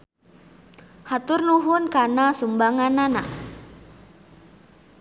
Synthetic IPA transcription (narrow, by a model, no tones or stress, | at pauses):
hat̪ʊrnuɦʊnkanasumbaŋanana̰ʔ